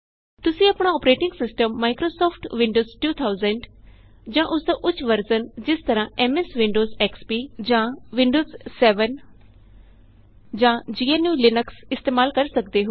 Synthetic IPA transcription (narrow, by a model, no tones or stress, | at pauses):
t̪ʊsĩːəpɳãːɔːpɾeːʈɪ̃ŋɡsɪsʈəmːaːikɾoːsɔːpʰʈʋɪ̃ɳɖoːzʈuːt̪ʰaːʊzəɳɖ | d͡ʒãːʔʊsd̪aːʔʊt͡ʃʰːʋəɾd͡ʒənd͡ʒɪst̪əɾãːʔɛːmɛːsʋɪ̃ɳɖoːzɛːkspiːd͡ʒãːʋɪ̃ɳɖoːzsɛːʋən | d͡ʒãːd͡ʒiːeːnjuːlɪnəksɪst̪eːmaːlkəɾsək̚d̪eːɦo